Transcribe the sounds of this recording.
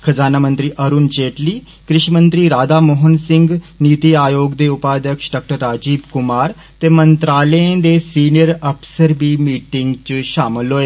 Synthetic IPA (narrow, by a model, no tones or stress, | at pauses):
kʰəd͡zaːnamənt̪ɾiːʔəɾuːnt͡ɕeʈliː | kɾiʃmənt̪ɾiːɾaːd̪amoɦənsiŋɡnit̪iajoɡd̪eupad̪jəkʂɖak̚ʈəɾːad͡ʑiːbkumaɾ | t̪emənt̪ɾaləẽd̪esinijəɾəpsəɾbiːmiʈiŋɡt͡ɕiɕamloe